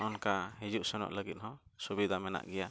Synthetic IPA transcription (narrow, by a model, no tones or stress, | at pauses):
ʔɔnkaɦid͡ʒuʔsɔnɔ̰ʔləɡit̪̚hɔ̃subid̪ʱamɛna̰ʔɡɛja